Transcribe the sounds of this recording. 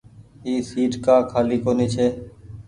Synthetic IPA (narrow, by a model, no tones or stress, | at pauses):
ĩːsiːʈkaːkʰaːliːkoːniːt͡ʃʰeː